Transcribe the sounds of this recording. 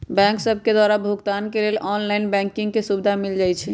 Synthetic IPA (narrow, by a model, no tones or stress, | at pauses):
bɛ̃ŋksəbʱked̪waɾabʱuɡt̪ankelelʔɔnlaɪnbɛ̃ŋkĩŋɡkesubd̪ʱamild͡ʒajt͡ʃʰɛ